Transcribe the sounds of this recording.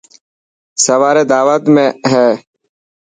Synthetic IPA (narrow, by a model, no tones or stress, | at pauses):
səʋaːɾeːd̪aːʋət̪mẽːɦɛː